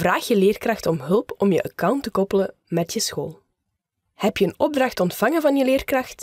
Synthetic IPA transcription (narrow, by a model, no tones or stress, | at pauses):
vraːxjəleːrkrɑxtɔmɦɵlˠpɔmjəʔəkawntəkɔpələ | mɛtjəsxoːlˠ | hɛpjəənɔb̚drɑxtɔntfɑŋəvɑnjəleːrkrɑxt